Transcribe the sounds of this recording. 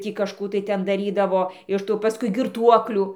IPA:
ˈtʲiː kɐʃˈkuː tɐɪ ˈtʲɛn dɐˈrʲiːdɐʋoː ɪʃ ˈtuː pɐˈskʊɪ ɡʲɪrˈtuɔklʲuː

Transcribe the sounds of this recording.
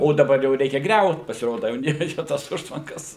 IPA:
oː dɐˈbɐr jɛʊ ˈrʲɛɪkʲɛ ˈɡrʲɛʊt pɐsʲɪˈroːdɐ jɛʊ nʲɛˈrʲɛɪkʲɛ ˈtoːs ˈʊʃtʋɐŋkɐs

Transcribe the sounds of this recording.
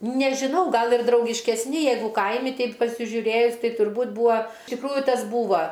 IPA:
nʲɛʒʲɪˈnɐʊ ˈɡɐlˠ ɪr drɐʊɡʲɪʃʲkʲɛsʲˈnʲɪ ˈjɛɪɡʊ ˈkɐɪmʲɪ ˈtʲɛɪp pɐsʲɪʒʲʊˈrʲeːjʊs ˈtɐɪ tʊrˈbuːt ˈbʊɐ ɪʃ tʲɪkˈruːjʊ ˈtɐs ˈbuːʋɐ

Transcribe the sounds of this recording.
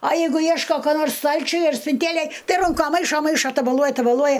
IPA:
ɐ ˈjɛɪɡʊ ˈjiɛʃkoː koː ˈnoːrs ˈstɐlʲt͡ʃʲʊj ɐr sʲpʲɪnʲˈtʲeːlʲeːj ˈtɐɪ ˈrʊŋkɐ ˈmɐɪʃoː ˈmɐɪʃoː tɐbɐˈlˠuɔjɛ tɐbɐˈlˠuɔjɛ

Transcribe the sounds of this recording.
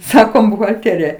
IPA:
ˈsɑːkoːm bʊɣɐlʲˈtʲeːrʲɪjɛ

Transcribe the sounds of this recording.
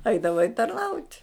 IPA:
ˈɛɪdɐʋɐɪ tɐrˈnɐʊtʲ

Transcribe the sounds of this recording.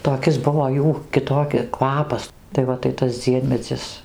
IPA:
toːˈkʲɪs ˈbʊʋoː ˈjuː kʲɪˈtoːkʲɪ ˈkʋɑːpɐs tɐɪ ˈʋɐ tɐɪ ˈtɐs ˈd͡zʲiɛmʲɛd͡zʲɪs

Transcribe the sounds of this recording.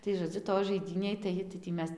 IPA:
tɐɪ ʒoːˈd͡zʲʊ toːj ʒɐɪˈdʲiːnʲeːj tɐɪ tɐɪ tʲiː ˈmʲɛs

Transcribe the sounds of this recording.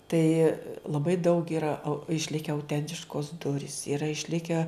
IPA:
ˈtɐɪ lˠɐˈbɐɪ dɐʊk ɪˈrɐ ɐʊ ɪʃʲˈlʲɪkʲɛ ɐʊˈtʲɛnʲtʲɪʃkoːs ˈdʊrʲiːs ɪˈrɐ ɪʃʲˈlʲɪkʲɛ

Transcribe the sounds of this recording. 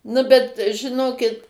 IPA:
ˈnʊ bʲɛt ʒʲɪˈnoːkʲɪt

